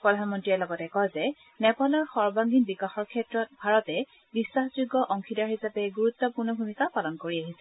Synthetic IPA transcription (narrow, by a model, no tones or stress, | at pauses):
pɹɔdʱanmɔntɹiɛlɔɡɔtɛkɔjzɛ | nɛpalɔɹxɔɹbaŋɡinbikaxɔɹkʰɛtɹɔt̚bʱaɹɔtɛ | bisːaxzuɡːɔʔɔŋkʰidaɹɦisapɛɡuɹut̪ːɔpuɹnɔbʱumikapalɔnkoɹiaɦisɛ